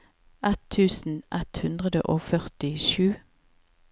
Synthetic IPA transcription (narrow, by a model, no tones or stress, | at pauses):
ʔɛt̪ʰːʉːsn̩ʔɛt̪hʉnd̪ʁəd̪ə̰ʔoːfœʁt̪ɪʃʉː